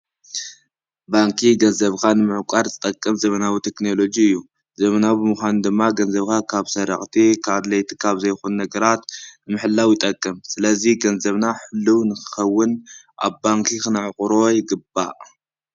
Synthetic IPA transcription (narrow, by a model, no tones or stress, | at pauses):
baŋkʰiɡɐnzɐβkʰanɨmɨʕkʷʼaɾzɨt̪ʼɐkʼːɐmzɐmɐnawit̪ʰe̞kno̞lo̞d͡ʒiɨjːu | zɐmɐnabɨmɨxʷand̪ɨmːaɡɐnzɐβkʰakʰaβsɐɾɐ̰xʼt̪ʰikʰad̪lɐjt̪ʰi̥kʰaβzɐjxunːɐɡɐɾat̪nɨmɨħɨlːawjɪt̪ʼɐkʼːɐmsɨlɐziɡɐnzɐβnaħɨlːuwnɨxɨ̥xɐwːɨn | ʔa̰βbaŋkʰikɨnʕɨkʼɾo̞jɪɡɨba